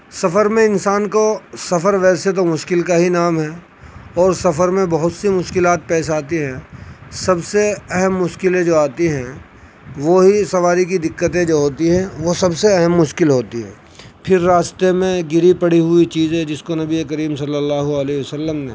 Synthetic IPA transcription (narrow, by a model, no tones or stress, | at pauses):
sɐfəɾmẽɪnsaːnkosɐfəɾʋɛːset̪omʊʃkɪlkaɦinaːmɦɛː | ɔːɾsɐfəɾmẽbɐɦʊt̪simʊʃkɪlaːt̪̚pɛːs̬aːt̪iɦɛ̃ːsɐbseɛɦəmːʊʃkɪlẽd͡ʒoːaːt̪iɦɛ̃ | ʋoːɦisɐʋaːɾik̬id̪ɪkːət̪ẽd͡ʒoːɦoːt̪iɦɛ̃ʋosɐbseɐɦəmːʊʃkɪlɦoːt̪iɦɛ̰̃ː | pʰɪɾːaːst̪emẽɡɪɾipɐɽiɦʊit͡ʃiːzẽd͡ʒɪskonɐbiekəɾiːmsɐlːəlːaːɦuəleːɦiʋəsəlːəmnḛ̃